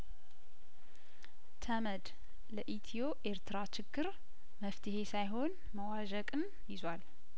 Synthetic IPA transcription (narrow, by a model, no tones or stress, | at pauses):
t̪ʰəməd̪ | ləʔit̪ʰijo̞ʔe̞ɾt̪ʰɨɾat͡ʃɪɡ̥ːɨɾ | məft̪ʰɨhe̞sajɦo̞n | məwaʒəkʼɨn | jɪzwal